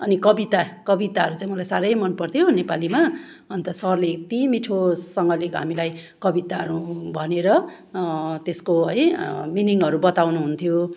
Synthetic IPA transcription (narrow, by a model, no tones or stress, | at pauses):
ʌnikʌbit̪akʌbit̪aɦʌɾut͡saĩmʌlajsaɾʌjmʌnpʌrt̪ʰjonepalima | ʌnt̪ʌsʌrlekt̪imiʈʰosʌŋɡʌlekɦa̰milaj | kʌbit̪aɦʌɾubʱʌneɾʌ | t̪eskoɦʌjminiŋɦʌɾubʌt̪awnuɦunt̪ʰjo